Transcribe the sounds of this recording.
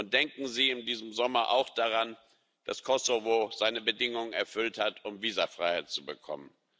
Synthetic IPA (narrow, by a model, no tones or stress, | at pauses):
ʊnt̚d̥ɛŋkŋ̩ziːɪndiːzəm̩zɔmɐʔa̰ʊxd̥aʁan | d̥a̰skʰɔsovoz̥aɪnəbədɪŋʊŋənɛɐfʏlthatʔʊmviːzɐfʁ̥aɪhaɪt̚t͡subəkʰɔ̰mən